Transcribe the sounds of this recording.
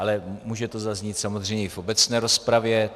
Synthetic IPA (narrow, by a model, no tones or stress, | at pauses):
alɛmuːʒɛt̪o̞zazɲit̪samozr̝ɛjɲɛifʔo̞bɛt͡snɛːɾo̞spɾavjɛ